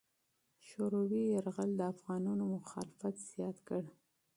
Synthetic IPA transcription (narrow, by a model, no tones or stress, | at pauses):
ʃoɾowiaɾɣəld̪əafɣɑnɑnomʊxɑ̰lɪfat̪z̥jɑt̪kəɽ